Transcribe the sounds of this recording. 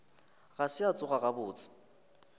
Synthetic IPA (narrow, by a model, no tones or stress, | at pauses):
ɣasɪat͡sʼʊɣaɣabʊːt͡sʼɪ̥